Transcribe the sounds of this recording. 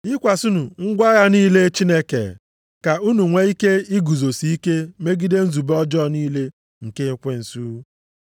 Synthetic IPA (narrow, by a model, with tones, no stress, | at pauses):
i˦kʷa˨su˦nu˨ŋ̩˦ɡʷa˦ɣa˦niː˦le˦t͡ʃi˦ne˦kḛ˨ | ka˨u˦nu˨ŋʷe˦i˦ke˦i˦ɡu˨zo˨si˦i˦ke˦me˦ɡi˦de˦n̩˦zu˨bɔ˦d͡ʒɔ˦˨niː˦le˦ | ŋ̩˨ke˦ŋ̩˦kʷe˦n̩˨su˦